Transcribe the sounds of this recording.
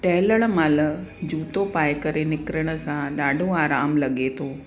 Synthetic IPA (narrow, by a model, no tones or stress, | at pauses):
ʈɛɦləɭ̃mald͡ʒuːt̪opaːjkəɾenɪkɾəɽ̃əsãɗaːɖʱõaːɾaːmlɐɠet̪ʰoː